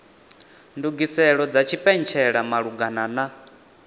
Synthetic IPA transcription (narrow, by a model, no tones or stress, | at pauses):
nduɡisɛɺɔd͡zat͡ʃʰipʼɛnt͡ʃʰɛɺamaɺuɡanana